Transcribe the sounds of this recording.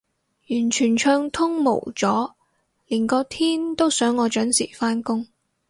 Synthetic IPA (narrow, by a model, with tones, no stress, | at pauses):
jyː˨˩nt͡ʃʰyː˨˩nt͡ʃʰœː˧ŋt̪ʰʊ˥ŋmo̰˨˩wt͡sɔː˨˥ | liː˨˩nkɔː˧t̪ʰiː˥nt̪o˥wsœː˨˥ŋːɔː˨˧t͡ʃœː˨˥nsḭː˨˩faː˥nkʊ˥ŋ